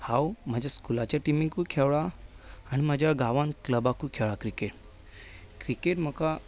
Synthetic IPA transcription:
hawmad͡ʑʱjaskulat͡ɕjaʈimĩŋkukʰeʋɭaː | ñimad͡ʑʱaɡaʋankləbakukʰeʋɭakɾikeʈ | kɾikeʈm̤əka

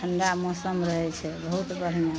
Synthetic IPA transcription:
əɳɖamosəmɾəɦɛt͡ʃʰɛbəɦut̪bəɾ̤ma

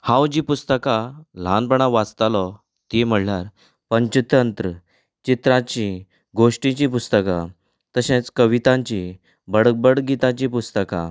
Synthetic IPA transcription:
hãwd͡ʑipust̪əkal̤ãnpəɳ̃aʋat͡st̪alɔ | t̪im̤əɽljaɾ | pəɲt͡ɕit̪ənt̪ɾə | t͡ɕit̪ɾãt͡ɕi | ɡoʂʈĩt͡ɕipust̪əka | t̪əɕẽt͡skəʋit̪ãɲt͡ɕi | bəɽək̚bəɽɡit̪at͡ɕipust̪əka̰

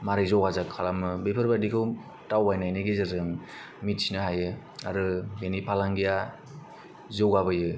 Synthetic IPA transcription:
maɾɯjzɔwazakʰːalamɯbepʰɯɾbadikʰɯw | tawbajnajnɯɡezɯzɯŋ | mit̚sinɯɦajɯ | aɾɯbenipʰalaŋɡija | zɔwɡabɯjɯ

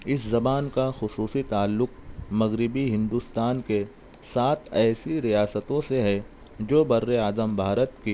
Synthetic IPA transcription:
ɪszɐbaːnkaxʊsuːsit̪aːlːʊqmɐɣɾɪbiɦɪ̃nd̪ust̪aːnke | saːt̪ʰɛːsiɾijaːsət̪õseɦɛ̃ | d͡ʒoːbɐɾːeaːzəmbʱaːɾət̪ki

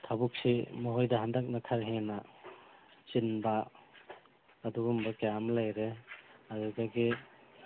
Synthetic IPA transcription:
t̪ʰabuk̚simɔɦɔjdaɦandak̚nakʰaɾɦena | t͡ʃinba | duɡumbakejamlajɾeaɡɯɡaɡi

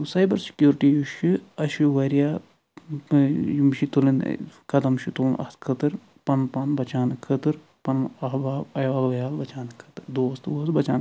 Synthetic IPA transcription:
sɐjbɐɾsi̥kjuːɾʈijuʃiɐʃuʋɐɾijaː | jimʃit̪ulin̰kɐd̪ɐmʃut̪uːnʔɐ̰ht̪kʰɨt̪ɨɾ | pɐnpɐnbɐt͡ʃaːnkʰɐt̪ɨɾ | pɐnɐɦbaːbɐjʋaːlʋɐjaːlbɐt͡ʃaːnkʰɐt̪ɨɾd̪oːst̪ʋoːsbɐt͡ʃaːn

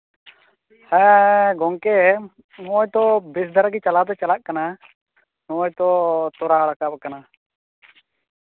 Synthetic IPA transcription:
hɛɡɔŋkɛ | nɔɔjt̪ɔbisd̪ʱaɾaɡit͡ʃalat̪ɛt͡ʃalaʔkana | nɔɔjt̪ɔt̪ɔɾaɾakap̚kana

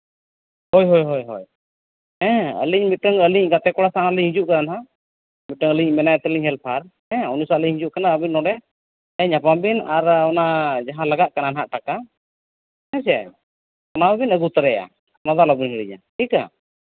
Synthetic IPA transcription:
hɔjɦɔjɦɔjɦɔj | hɛ̃ə̰liɲmit̪̚əŋəliɲʔɡat̪ɛkɔɽasanəliɲɦĩd͡ʒuʔkananaɦa | mit̪̚ʈəŋəliɲʔmɛnajt̪ɛliɲɦɛlpʰaɾhɛ̃ɔnusaəliɲhĩd͡ʒuʔkanaəbinːɔ̃ɖɛ | əɲapambinaɾɔnad͡ʒaɦãləɡaʔkananaɦaʔʈaka | ɛ̃s̬ɛ̰ | ɔnawɛbinəɡut̪ɾɛja̰ | ɔnad̪alabiɲɦəɽiɲa̰ʈika̰

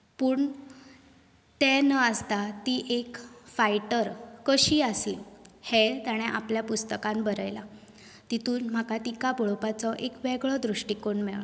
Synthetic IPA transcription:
puːɳ | t̪ɛ̃nəəst̪at̪iʔekfajʈəɾkəɕiasḭːlhɛlt̪aɽ̃ɛʔa̰pljapust̪əkãmbəɾəjla | t̪it̪uːnm̤akat̪ikaboɭopat͡sɔʔekʋɛɡɭɔd̪ɾuʂʈikoɳmeɭ

